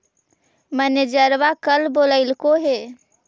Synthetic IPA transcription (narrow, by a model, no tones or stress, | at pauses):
məned͡ʒəɾʋakəlboləɪlkoɦe